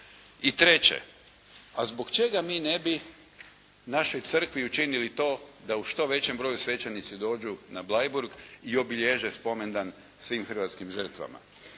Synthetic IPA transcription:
it̪ɾe̞t͡ɕḛ | azbokt͡ʃe̞ɡamiːne̞bi | naʃo̞jt̪sr̩kʋiut͡ʃinilit̪o̞ːd̪auʃt̪o̞ʋe̞t͡ɕembɾo̞jusʋe̞t͡ɕenit̪sid̪o̞ːd͡ʒunablˠajbuɾɡio̞biʎeʒespo̞me̞nd̪an | sʋimxər̩ʋat̪skimʒər̩t̪ʋa̰ma̰

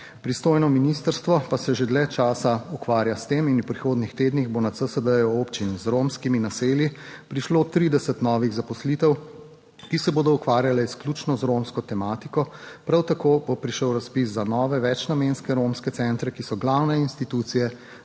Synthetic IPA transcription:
pɾist̪oːjnɔminist̪əɾst̪ʋɔpasɛʒed̪lɛt͡ʃaːsaukʋaːɾjast̪eːminupɾixoːd̪nixt̪eːd̪niɣbonat̪səsəd̪əjɔopt͡ʃinzɾomskiminaseːljipɾiʃloːt̪ɾid̪ɛsət̪nɔːʋiɣzapɔslit̪ɛw | kisɛboːd̪ɔukʋaːɾjalɛisklʲuːt͡ʃnɔzɾomskɔt̪ɛmaːt̪ikɔpɾawt̪akoːbopɾiʃəwɾaspisːanɔːʋɛʋɛt͡ʃnamenskɛɾomskɛt̪sɛnt̪ɾɛkisɔɡlawnɛinst̪it̪ut̪sijɛ

